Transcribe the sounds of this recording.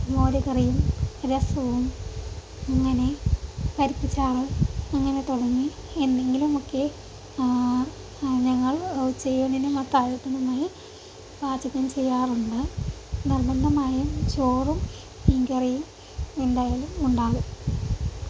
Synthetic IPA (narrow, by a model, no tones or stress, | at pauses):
moːɾɐkɐrijumɾɐsɐʋum | ɐŋːɐne̞kɐɾipːit͡ɕːaːrɨɐŋːɐne̞t̪oɽɐŋːi | end̪e̞ŋɡilumokːe̞ | ɲɐŋːɐɭwt͡ɕːejːuɳinumɐt̪ːaːɾɐt̪ːɐnɐmaːji | baːd͡ʑɐkːɐmt͡ɕe̞jːaːruɳɖɨnirbɐnd̪ɐmaːjut͡ɕoːrum | iŋɡɐrijum | iɳɖajilumuɳɖaːɣum